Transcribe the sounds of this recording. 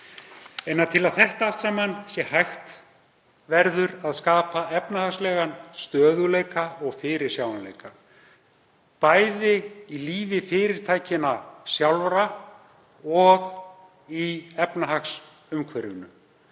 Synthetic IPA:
ɛnːaðt̪ʰɪlaðθɛht̪aaft̪saːmansjɛhajxt̪ | vɛɾðʏɾaðskaːpaɛpnahaxslɛːɣanst̪œːðʏleːjkaɔɣfɪɾɪɾ̥sjaw̪anlḛjka | paːjðɪiliːvɪfɪːɾɪɾ̥t̪ʰaːjcɪnasjawlvɾa | ɔɣ | iɛpnaɦaxs | ʏmkʰvɛɾʏnʏ

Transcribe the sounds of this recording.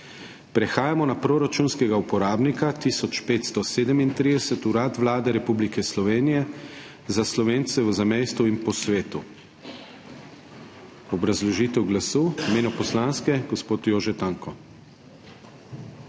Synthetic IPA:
pɾɛxaːjamɔnapɾoːɾat͡ʃuːnskɛɡaupɔɾaːbnikat̪isɔt͡ʃpeːt̪st̪ɔseːd̪əmint̪ɾid̪ɛsɛt̪uɾaːt̪ʋlaːd̪ɛɾɛpublikʰɛslɔʋeːnijɛ | zaslɔʋeːnt̪sɛʋəzamejst̪uinpɔsʋeːt̪u | ɔbɾazlɔʒit̪ɛwɡlasuːimeːnɔpɔslanskɛɡɔspoːt̪joːʒɛt̪aŋkɔ

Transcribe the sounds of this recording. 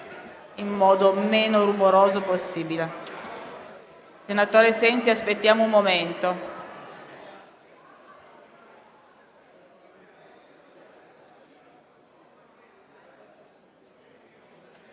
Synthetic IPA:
imːɔːd̪omeːnorumoɾoːzoposːiːbile | senat̪oːɾesɛnsiaspet̪ːjaːmoumːoment̪o

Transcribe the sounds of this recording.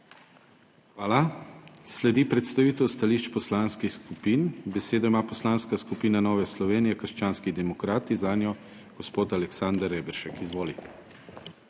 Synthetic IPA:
xʋaːlaslɛd̪ipɾɛt̪st̪aʋiːt̪ɛwst̪aliːʃt͡ʃpɔslaːnskixskupinbɛseːd̪ɔimaːpɔslaːnskaskupiːnanɔːʋɛslɔʋeːnijɛkəɾʃt͡ʃaːnskid̪ɛmɔkɾaːt̪izanjɔ | ɡ̥ɔspoːt̪alɛksand̪aɾɛbɛɾʃɛkizʋoːli

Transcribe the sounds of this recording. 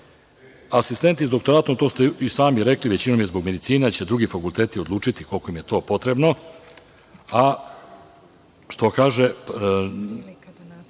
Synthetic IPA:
asist̪e̞nt̪izd̪o̞k̚t̪o̞ɾaːt̪o̞mt̪o̞ːst̪uisaːmiɾe̞kliʋet͡ɕino̞mjezbo̞ɡme̞d̪it̪siːneat͡ɕe̞d̪ɾuɡifakult̪e̞ːt̪io̞d̪lˠuːt͡ʂit̪ikolkoimje̞t̪o̞ːpo̞t̪ɾe̞bno̞ | a | ʃt̪o̞kaːʒe̞

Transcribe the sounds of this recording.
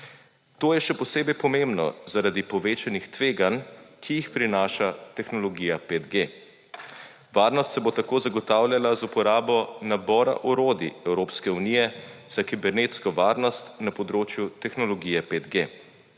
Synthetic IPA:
t̪oːjɛʃɛpɔseːbɛjpɔmembnɔ̰zaɾad̪ipɔʋeːt͡ʃanixt̪ʋeːɡankʰijixpɾinaːʃat̪ɛxnɔlɔɡijapeːd̪ɡe | ʋaːɾnɔst̪sɛbot̪akoːzaɡɔt̪aːwlʲjalazupɔɾaːbɔnabɔːɾa̰ʔuɾoːd̪iɛwɾoːpskɛunijɛz̥akibɛɾneːt̪skɔʋaːɾnɔst̪napɔd̪ɾoːt͡ʃjut̪ɛxnɔlɔɡiːjɛpeːd̪ɡe

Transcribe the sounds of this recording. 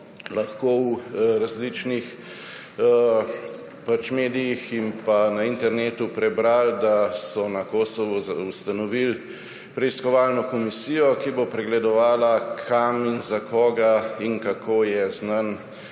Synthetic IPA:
laxkoːwɾazlit͡ʃnix | pat͡ʃmeːd̪ijiximpanaint̪ɛɾneːt̪upɾɛbɾald̪asɔnakoːsɔʋɔust̪anɔʋil | pɾɛiskɔʋaːlnɔkɔmisiːjɔkibopɾɛɡlɛd̪ɔʋaːlakʰaminzakʰɔːɡaiŋkakʰoːjɛznan

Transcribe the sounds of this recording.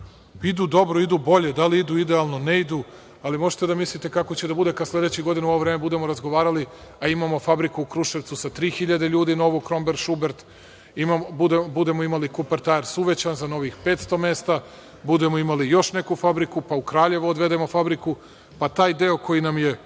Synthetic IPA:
id̪uːd̪o̞bɾoid̪ubo̞ʎe̞d̪aliid̪uid̪ealˠno̞neid̪u | alimo̞ʒe̥t̪e̞d̪amislˠit̪e̞kako̞t͡ɕed̪abud̪e̞kaslʲˠe̞d̪et͡ɕiɡo̞d̪inuo̞ʋovɾeːme̞bud̪e̞mo̞ɾazɡoʋaːɾali | aimamo̞fabɾikuːkɾuʃeʋt̪susat̪ɾiːxiʎad̪e̞ʎuːd̪ino̞ʋukɾo̞mbeɾʃubeɾt̪ | imabud̪ebud̪e̞moimalikupeɾt̪aeɾsuʋet͡ɕanzano̞ʋixpe̞ːt̪st̪o̞me̞ːst̪a | bud̪e̞moimalijo̞ʃne̞kufabɾikupaukɾaːʎe̞ʋuod̪ʋe̞d̪emofabɾiku | pat̪aːjd̪eo̞kʰo̞jinamje̞

